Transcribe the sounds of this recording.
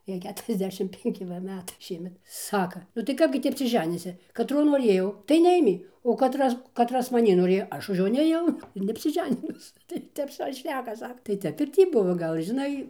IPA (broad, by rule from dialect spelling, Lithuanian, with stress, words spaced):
ˈjɛɪ ˌkʲæːtʊrʲɛzʲˈdʲæːʃʲɪm pʲɛŋʲˈkʲɪ ʋɐ ˈmʲæːtɐɪ ˈʃʲiɛmʲɛt ˈsɑːkɐ nʊ tɐɪ ˈkɑːbʲɡʲɪ tʲiː ɐpʲsʲɪˈʒʲæːnʲiːsʲɪ kɐˈtroː noːˈrʲeːjɛʊ tɐɪ nʲɛˈeːmʲeː oː kɐˈtrɐs kɐˈtrɐs mɐˈnʲiː noːˈrʲeːjoː ˈɐʃ ʊʃ ˈjoː nʲeːˈjɛʊ ɪr nʲɛɐpʲsʲɪˈʒʲæːnʲɪnʊs tɐɪ ˈtʲɛp ˈsɐʊ ɪr ˈʃʲnʲæːkɐ ˈsɑːkɐ tɐɪ ˈtʲɛp ɪr ˈtʲiː ˈbʊʋoː ˈɡɐlʲ ʒʲɪˈnɐɪ